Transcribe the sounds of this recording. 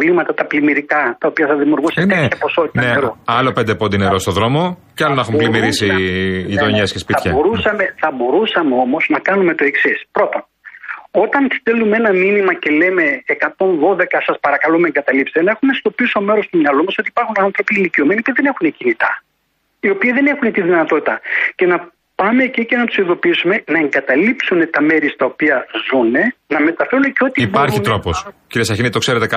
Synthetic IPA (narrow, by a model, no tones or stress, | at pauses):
ovlimɐt̪ɐt̪ɐplimiɾikɐt̪ɐopiɐθɐðimiuɾɣuseeçɐpo̞so̞t̪itt̪ɐneeɾoɐlo̞pe̞nd̪epond̪ineɾost̪oðɾo̞mocɐlonexumplimiɾisiʎit̪o̞ɲescespitɐçɐboɾusɐmeθɐbo̞ɾusɐmeo̞mo̞znɐkɐnume̞t̪o̞e̞ksispɾo̞t̪on | o̞t̪ɐnst̪elumee̞nɐminimɐce̞le̞me̞ːkɐt̪o̞nðo̞ðe̞kɐsɐspɐɾɐkɐlumeeŋɡɐt̪ɐlipset̪enɐe̞xume̞st̪o̞piso̞me̞ɾo̞st̪umɲɐlumɐso̞t̪iːpɐɾxunɐnθɾo̞piliciome̞niopiðe̞ne̞xunecinit̪ɐ | io̞piɐðe̞ne̞xunet̪iðinɐt̪o̞t̪it̪ɐce̞nɐ | pɐme̞cice̞nɐt̪usiðo̞piisume̞nɐeŋɡɐt̪ɐlipsune̞t̪ɐme̞ɾist̪ɐopiɐzune̞nɐme̞t̪ɐfe̞ɾuneceo̞t̪iibɐɾçit̪ɾoposciɾiesɐçinit̪okseɾet̪ekɐ